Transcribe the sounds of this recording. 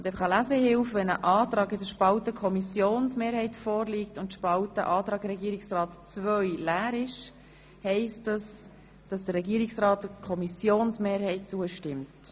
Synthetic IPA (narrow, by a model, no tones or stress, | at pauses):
ʊndɛfɑχəlæzəhɪlfʋɛnəʔɑːtɾɑːɡɪdəɾʃpɑltəkʰɔmisjoːnsmeːɾhɛɪtfoːɾliːk̚tʊntʃpɑltə̰ʔɑːtɾɑːɡɾɛɡiːəɾɪksrɑːtt͡svœɥlæːɾɪʃ | hɛɪstdɑs | d̥ɑsd̥əɾrɛɡiːɾɪksrɑːtkʰɔmisjoːnsmeːɾhɛɪt̚t͡suəʃtɪmt